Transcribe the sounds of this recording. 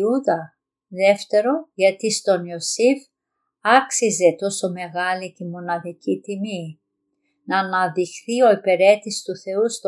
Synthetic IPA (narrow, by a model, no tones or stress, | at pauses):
uðɐ | ðe̞ft̪e̞ɾo̞ʝɐt̪ist̪o̞niosif | ɐksize̞t̪o̞so̞me̞ɣɐlicimo̞nɐðicit̪imi | nɐːnɐðixθio̞ipeɾe̞t̪ist̪uθe̞ust̪